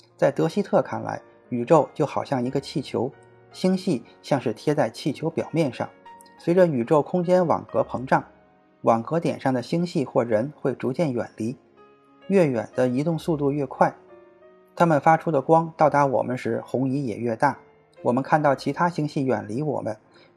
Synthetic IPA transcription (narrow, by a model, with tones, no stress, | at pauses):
t͡sa˥˩ɪt̪ɤ˧˥ɕi˥t̪ʰɤ˥˧kʰa˥˩nla̰˧˥ɪ | y˨˩ʈ͡ʂo˥˩˧ʊt͡ɕjo˥˩ʊxɑ˨˩ʊɕjɑ˥˩ŋi˧˥ɡə˧t͡ɕʰi˥˩t͡ɕʰjo̰˧˥ʊ | ɕi˥ŋɕi˥˩ | ɕjɑ˥˧ŋʂɻ̩˥˩t̪ʰjɛ˥t͡sa˥˧ɪt͡ɕʰi˥˩t͡ɕʰjo˧˥ʊpjɑ˨˩ʊmjɛ˥˧nʂɑ̰˥˩ŋ | swe˧˥ɪʈ͡ʂə˧y˨˩ʈ͡ʂo˥˩ʊkʰʊ˥ŋt͡ɕjɛ˥nwɑ̰˨˩ŋkɤ˧˥pʰɤ˧˥ŋʈ͡ʂɑ˥˩ŋ | wɑ˨˩ŋkɤ˧˥t̪jɛ˨˩nʂɑ˥˩ŋd̪ə˩ɕi˥ŋɕi˥˧xwɔ˥˩ɻə˧˥nxwe˥˩ɪʈ͡ʂu˧˥t͡ɕjɛ˥˩nɥɛ̰˨˩nli˧˥ | ɥɛ˥˩ɥɛ̰˨˩nd̪ə˦i˧˥t̪ʊ˥˧ŋsu˥˧t̪u˥˧ɥɛ˥˧kʰwa˥˩ɪ | t̪ʰa˥mə˨nfa˥ʈ͡ʂʰu˥d̪ə˨˩kwɑ˥ŋt̪ɑ˥˩ʊd̪a˧˥wɔ̰˨˩mə˦nʂɻ̩˧˥xʊ˧˥ŋi˧˥jɛ̰˨˩ɥɛ˥˧t̪a˥˩ | wɔ˨˩mə˦nkʰa˥˧nt̪ɑ˥˩ʊt͡ɕʰi˧˥t̪ʰa˥ɕi˥ŋɕi˥˩ɥɛ̰˨˩nli˧˥wɔ̰˨˩mə˦n